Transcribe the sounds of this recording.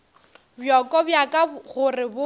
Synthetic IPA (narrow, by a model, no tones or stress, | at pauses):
bjɔkʼɔbjakʼaɣʊrɪbʊ